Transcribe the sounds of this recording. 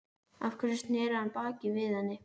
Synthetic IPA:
afkʰvɛɾɪst̪nɛːɾʏhanpaːcɪvɪðhanːɪ

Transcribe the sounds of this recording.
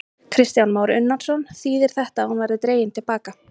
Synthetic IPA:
kʰɾɪst̪janmaːwɾɪʏnːansɔnθiːðɪɾ̥θɛht̪aːhunvajɾðɪt̪ɾeːjɪnt̪ʰɪlpaːka

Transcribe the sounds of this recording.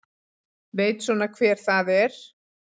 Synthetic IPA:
veːjt̪sɔːnakʰvɛːɾ̥θaðɛɾ̥

